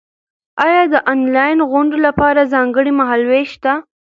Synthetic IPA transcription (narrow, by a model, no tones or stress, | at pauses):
ɑjɑd̪əʔɑnlɑjɪnɣʊɳɖolapɑɾazɑŋɡəɽimaɦɑlweʃt̪a